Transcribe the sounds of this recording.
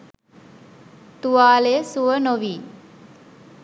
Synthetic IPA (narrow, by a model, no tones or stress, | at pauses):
t̪uʋaːlesuʋənoʋiː